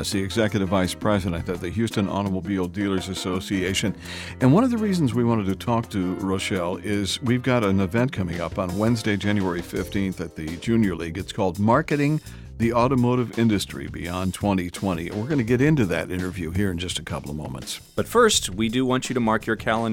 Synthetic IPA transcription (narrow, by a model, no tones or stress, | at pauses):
zðiɨɡzɛkjɨɾɨvaɪspʰɹ̥ɛzɨɾɨ̃n̚ðɨt̪̚ðɨɦjʉstɨ̃nɑ̰ñəmoʊbilˠdilˠə˞zɨsoʊsieɪʃɨ̃n | ɨ̃nwʌ̃nʌvðɨɹizn̩zwiwɑ̃ɾ̃ɨd̚tɨtʰɔk̚tʰɨɹoʊʃɛlˠɪzwivɡɑɾɨ̃nɨvɛ̃nt̚kʰʌmɪ̃ŋʌ̰pn̩wɛ̃nzdeɪd͡ʒæ̃njʉɛɹifɪftʰĩnθɨt̪̚ðɨd͡ʒʉ̃njə˞liɡɨtskʰɔlˠd̚mɑɹkɨɾɪ̃ŋ | ðiɔɾɨmoʊɾɨvɪ̃ndɨstɹ̥ḭbḭɑ̃ntʰw̥ɛ̃ɾ̃itʰw̥ɛ̃ɾ̃ḭwɪɹɡʌñɨɡɛɾɪ̃ntʉðɨ̰ɾʔɪ̰̃ɾ̃ə˞vjʉɦiɹɨ̃nd͡ʒʌstɨkʰʌpl̩ˠʌvmõ̰ʊ̃mə̰̃ntsb̥ʌtfɜ˞st̚widɨwɑ̃nt͡ʃɨɾɨmɑɹkʰjə˞kʰælˠə̃n